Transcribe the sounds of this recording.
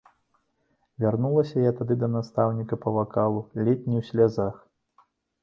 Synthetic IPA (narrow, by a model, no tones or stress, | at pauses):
vʲarnulˠɐsʲɐjat̪ad̪ɨd̪ɐnast̪awnʲikɐpɐvakalˠulʲɛt̪̚ʲnʲiwsʲlʲazax